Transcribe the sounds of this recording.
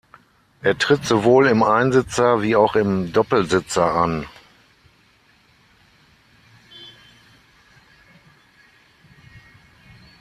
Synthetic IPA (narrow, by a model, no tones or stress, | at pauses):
ʔeːɐtʁ̥ɪtz̥ovoːlɪmaɪnzɪt͡sɐviːaʊxɪmdɔpl̩zɪt͡sɐʔan